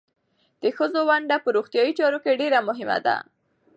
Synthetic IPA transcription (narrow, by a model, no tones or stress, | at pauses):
d̪̥əxəzowaɳɖapəɾoxt̪jɑjit͡ʃɑɾokeɖeɾamʊɦɪma̰d̪a̰